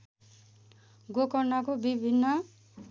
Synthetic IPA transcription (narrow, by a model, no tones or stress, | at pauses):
ɡokɔnːakobibʱinːʌ